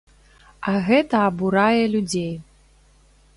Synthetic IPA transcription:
ɐɣɛt̪ɐːbuɾajɛlʲud͡zʲej

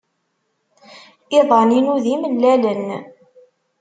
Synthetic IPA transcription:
iɪðˤɑninuðiməlːælən

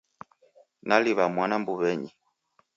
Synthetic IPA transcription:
naliβamwanambuβɛɲi

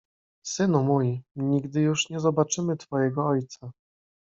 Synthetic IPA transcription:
sɘnumujiɲiɡd̪ɘjuʂɲɛzɔbat͡ʂɘmɘt̪fɔjɛɡɔɔjt̪sa

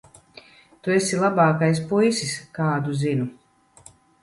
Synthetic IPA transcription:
t̪uesilˠabaːkajs̬pujsiskaːd̪uzinu

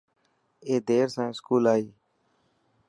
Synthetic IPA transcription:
eːd̪eːɾsãːskuːlaːiː

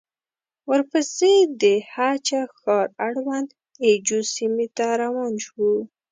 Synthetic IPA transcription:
wəɾpəsed̪əhat͡ʃaxɑɾaɽwand̪ | ed͡ʒusimet̪aɾawɑnʃwu

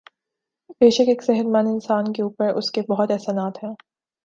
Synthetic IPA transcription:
beːʃəkeːksɛɦəɾmɐnɪnsaːnkeuːpəɾʔʊskebɔɦʊt̪ɛɦsanaːt̪ɦɛ̃ː

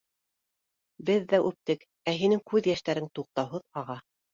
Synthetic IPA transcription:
bɘðːæʔʉp̚t̪ɘk | æɦinɘŋkʉðjæʃt̪æɾɘŋt̪uq̚t̪ɑwɦɤðɑʁɑ

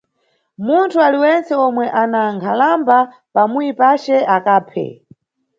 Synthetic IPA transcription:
muntʰualiwɛnt͡sɛɔmwɛʔanaŋkʰalamba | pamujipat͡ʃɛakaːpʰɛ̰

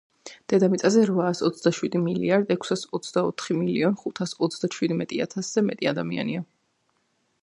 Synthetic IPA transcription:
d̪̥ɛd̪amit̪sʼazɛɾvaːsɔt̪sʰd̪aʃwid̪imilḭaɾd̪ɛkʷʰsasɔt̪sʰd̪aɔt̪ʰχimiliɔnχut̪ʰasɔt̪sʰd̪aʃwid̪mɛt̪ʼia̰t̪ʰasz̥ɛmɛ̰t̪ʼiad̪amia̰nia

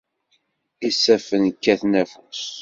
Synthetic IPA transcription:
isːæfənkːæθnæfus

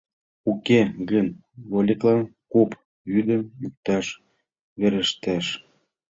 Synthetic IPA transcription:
ukeɣən | βolʲiklɑnkop | βyd̪ə̆myk̚t̪ɑʃ | βeɾəʃt̪æʃ

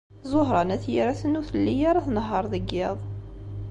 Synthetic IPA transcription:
zˤoɦɾˤɑnæθjiɾæθənuθəlːijaɾˤaθnɦːɑɾˤðəɡːɪðˤ

